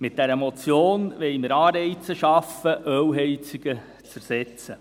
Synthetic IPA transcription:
mɪt̚d̥ɛɾəmot͡sjoːnʋɛɪməɾɑːɾɛɪt͡səʃɑfəʔœwɦɛɪt͡siɡ̥ə | t͡sæɾsɛt͡sə

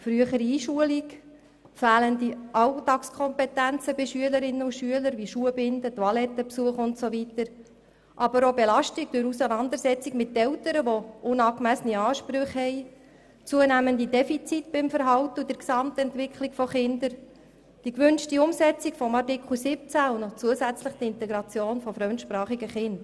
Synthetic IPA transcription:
fɾyəχəɾiiːʃuəlik | fæːləndiʔɑwtɑkskʰɔmpɛt̪ænt͡səbɪʃyələɾɪnːəuʃyələɾʋiʃuəbɪndət̪ʋɑlɛt̪ːəpsuəχʊntsovitəɾ | ʔɑbəɾobelɑʃtik̚d̥ʊɾusənɑnd̪əɾsɛt͡sikmɪtːɛltəɾəʋoʔʊnɑːkmæsəniɑːʃpɾʏχhɛj | t͡suənæməndidɛfit͡sitb̥ɪmfəɾɦɑwtəud̥əɾksɑmt̪ɛntʋɪkχlɪkfɔχɪnd̪əɾ | d̥ikʋʏnʃtiʊmsɛt͡sikfɔmɑrtɪkχl̩sɪp̚t͡sæʊnɔt͡suəsæt͡sləχd̥iɪnt̪ɛɡɾɑt͡sjoːnfɔfɾœmt̪ʃpɾɑːχiɡəχɪnd̥

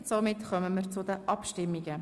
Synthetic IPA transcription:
somɪtχœməməːɾt͡sʊd̪əʔɑpʃtɪmːiɡə

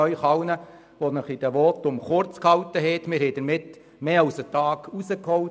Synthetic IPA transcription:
œʏχɑwnə | ʋonəχid̥ɛʋɔːt̪ːʊmχʊɾt͡skhɑwtːəɦɛt̪mɪɾhɛjd̥əɾmɪt | meːɑwsətɑːɡusəkhɔw

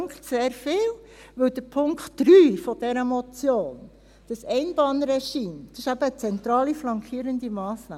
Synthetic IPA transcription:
ŋktseːɾfɪːw | ʋɵwd̥̪əpʰʊŋktːɾyːfɔd̥ɛɾəmɔt͡sjoːn | d̥əsɛɪnb̥ɑnɾɛʃiːmd̪̥ɑsɪʃæb̥əːt͡sɛnt̪ɾɑːliflɑŋkʰiːɾənd̪imɑːsnɑ̰ː

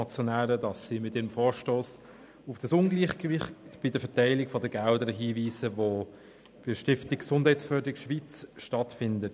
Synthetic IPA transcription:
ɑt͡sjɔnæːɾədɑsːimɪtiːɾəmfoːɾʃtoːs | ʊfd̥ɑsʊnɡliːχɡəvɪχtb̥idəfɛtæɪlɪɡfɔdəɡaldəɾəɦiːviːsəvo | b̥ɪʃtɪftɪkksʊnd̥hæɪsfœːdɪkʃʋiːt͡sʃtɑtfɪndət

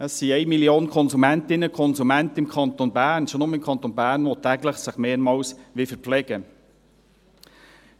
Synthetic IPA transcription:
əsːiɛɪmiljoːnkʰɔnzumɛntɪnːəkʰɔnzumæntəɪmkʰɑnt̪onbæːɾnʃonʊməɪmkʰɑnt̪onbæːɾnʋɔt̪æːɡləχsɪχmeːmɑːwsʋɪfəɾplɛɡ̥ə

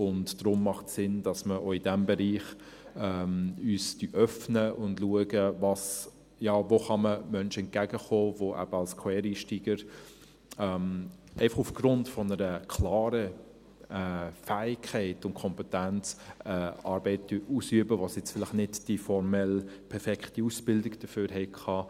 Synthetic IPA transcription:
ʊndd̥ɾʊmːɑχtsɪnd̥ɑsməʔoːidɛmbɛɾiːχ | ɛmyːsd̥yʔœfnəʊndluəɡəvɑs | jɑːvoχɑməmœnʃəɛnt̚ɡ̥æɡəχoːvoʔæ̰b̥əɑlskʰwɛːɾiːʃtiːɡəɾ | ɛmʔɛɪfɑχufɡ̥ɾʊntfɔnəɾəkʰlɑːɾə | ɛːfæːɪkʰːɛɪtʊntkʰɔmpɛtænt͡sɛːɑːɾbɛɪt̚yʔusyəbəvɑsjɛt͡sfɪlɪχnɪdd̥ifɔɾmɛlpʰɛɾfɛkχtiusb̥ɪldɪɡd̥əføːɾɦɛɪkʰɑː

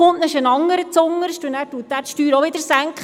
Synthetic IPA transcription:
ʊntnɛʃənɑŋːəɾət͡sʊŋːəɾʃtunæːɾtuətːæːɾtʃtyːɾoʋɪd̥əɾsæŋkχə

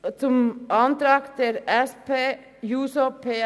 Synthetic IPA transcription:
sʊmɑnd̪ɾɑːɡt̪ʰɪlɛspeː | juːsɔpʰeː

